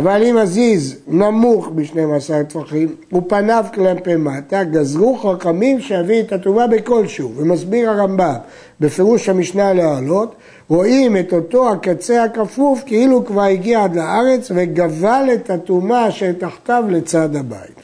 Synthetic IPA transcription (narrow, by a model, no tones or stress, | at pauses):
avalimaziznamuχmiʃne̞masaʁtfaχimupanavklampemat̪aɡazʁuχaχamimʃejaviet̪atumabe̞ko̞lʃuvemazbiʁhaʁambam | be̞feʁuʃhamiʃnalealo̞t | ʁo̞imeto̞to̞hakat͡se̞hakafuvkeilukvaʁiɡiaad̪laaʁe̞t͡sveɡavalethatumaʃelt̪aχt̪avle̞t͡sadaba̰it